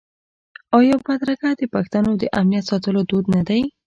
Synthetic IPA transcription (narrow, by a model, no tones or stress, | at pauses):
aɑjɑwbad̪ɾaɡad̪əpaxt̪anod̪əʔamnijat̪sɑt̪əlod̪od̪nad̪aj